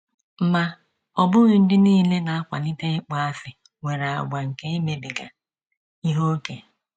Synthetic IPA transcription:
m̩˨ma˨ | ɔ˨bʊ˦ɣʊ˨n̩˦dɪ˦niː˦˨le˦na˨a˦kʷa̰˨ni˦te˦k͡pa˦a˦fɪ˨ | we˨ɾa˨a̰˨ɡʷa˨ŋ̩˨ke˦i˦me˨bi˨ɡa̰˨ | i˦ɦo˦ke˨

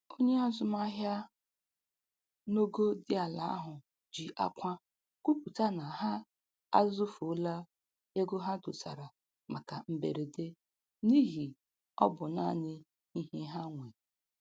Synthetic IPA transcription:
o˦ɲe˦ɔ˦zʊ˨ma˦ɦja˦ | no˦ɡo˦dɪ˦a˨la˨a̰˦ɦʊ˨ | d͡ʒi˨ʔa̰˦kʷa˦ | kʷu˦pu˨ta˦na˨ɦa˦ | a̰˦zʊ˦fla˦ | e˦ɡo˦ɦa˦dʊ˨sa̰˨ɾa˨ | ma˨ka˨m̩˨bḛ˨ɾe˨de˦ | ni˦ɦi˨ | ɔ̰˦bʊ˨na̰˦˨nɪ˦ | i˦ɦe˦ɦa˦ŋʷe˨

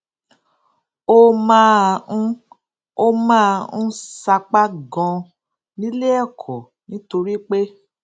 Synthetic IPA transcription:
o˦mãː˦˧ũ˦ | o˧mãː˦˧ũ˦sa˧k͡pa˦ɡɔ̃˧ | nĩ˦le˦ɛ˦˨kʰɔ˨ | nĩ˨˦to˧ɾi˦k͡pe˦

